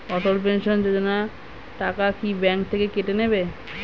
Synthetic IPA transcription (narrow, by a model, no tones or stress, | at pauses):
ɔʈolp̬enʃond͡ʑod͡ʑona | ʈakakibɛŋkt̪ʰekekeʈenebe